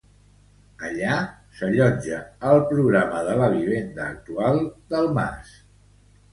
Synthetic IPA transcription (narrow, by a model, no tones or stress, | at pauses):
əʎasəʎɔd͡ʒəːlˠpɾuɣɾaməðələβiβ̞end̪əːk̚t̪ualˠd̪əlˠma̰s